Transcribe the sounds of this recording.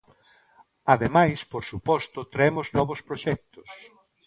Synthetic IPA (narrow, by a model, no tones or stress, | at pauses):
aðemajspoɾsupɔst̪ʊt̪ɾɛmʊznɔβʊspɾoʃɛk̚t̪ʊs